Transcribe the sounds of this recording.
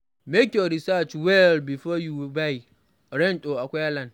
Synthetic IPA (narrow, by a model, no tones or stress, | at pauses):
mekjoɾisat͡ʃwɛlbifɔjubaj | ɾɛ̃ntoakʷaalãn